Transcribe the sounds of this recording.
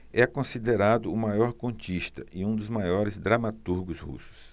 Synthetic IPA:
ɛkõsid̪eɾad̪ʊːmajɔɾkõt͡ʃiʃt̪ɐʔɪũd̪ʊzmajɔɾɪzd̪ɾamat̪uɾɡʊzhṵsʊ̥s

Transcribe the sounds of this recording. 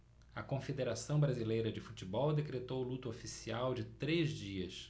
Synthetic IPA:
ɐkõfed̪eɾasɐ̃w̃bɾazilejɾɐd͡ʒɪfut͡ʃibɔwd̪ekɾet̪owlut̪ofisiawd͡ʒɪt̪ɾezd͡ʒiɐs

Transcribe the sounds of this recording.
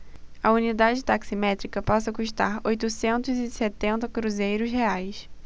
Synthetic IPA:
ɐunid̪ad͡ʒɪt̪aksimɛt̪ɾikɐpasɐkuʃt̪a̰ɾojt̪ʊsẽnt̪ʊzɪset̪ẽnt̪ɐkɾuzejɾʊʃheajs

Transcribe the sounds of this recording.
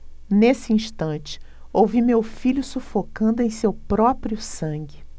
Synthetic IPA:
nesɪĩʃt̪ɐ̃t͡ʃɪ̥ | owvimewfiʎʊsufokɐ̃nd̪ʊẽj̃sewpɾɔpɾiʊsɐ̃ɡɪ

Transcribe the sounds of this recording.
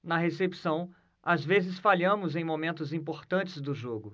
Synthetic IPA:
nɐɦesepi̥sɐ̃w̃ | azvezɪsfaʎɐ̃mʊzẽj̃momẽnt̪ʊzĩpoɾt̪ɐ̃nt͡ʃɪzd̪ʊʒoɡʊ

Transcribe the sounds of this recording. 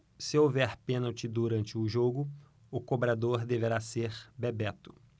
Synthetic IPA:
sɪowvɛɾpẽnɐwt͡ʃɪd̪uɾɐ̃nt͡ʃɪʊʒoɡʊ | ʊkobɾad̪oɾd̪eveɾaseɾbebɛt̪ʊ̥

